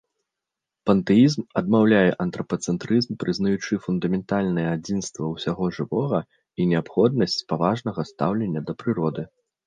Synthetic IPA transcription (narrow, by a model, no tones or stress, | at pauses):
pɐnt̪ɛizmɐd̪mawlʲajɛʔɐnt̪ɾɐpɐt̪sɛnt̪ɾɨzmpɾɨznɐjut͡ʂɨfund̪ɐmʲɛnt̪alʲnɐjɛad͡zʲinst̪vɐwsʲaɣɔʐɨvɔɣɐ | inʲɛapxɔd̪nɐsʲt͡sʲpavaʐnɐɣɐst̪awlʲenʲːɐd̪ɐpɾɨɾɔd̪ɨ